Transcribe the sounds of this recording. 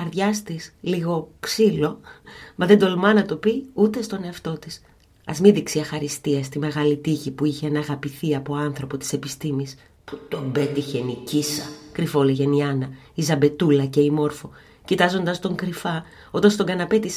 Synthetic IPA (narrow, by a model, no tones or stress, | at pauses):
ɐɾðʝɐst̪isliɣo̞psilo̞mɐðed̪o̞lmɐnɐt̪o̞piut̪e̞st̪o̞ne̞ɐft̪o̞t̪is | ɐ̰zmiðiksiɐxɐɾist̪iɐst̪ime̞ɣɐlit̪içipuiçeenɐɣɐpiθiɐpo̞ɐnθɾo̞po̞t̪i̥se̞pist̪imis | pu̥t̪obe̞t̪içenicisɐkɾifo̞liʝe̞niɐnɐ | izɐbe̞t̪ulɐce̞imo̞ɾfo̞ | cit̪ɐzo̞nd̪ɐst̪o̞ŋkɾifɐ | ot̪ɐnst̪o̞ɡɐnɐpet̪is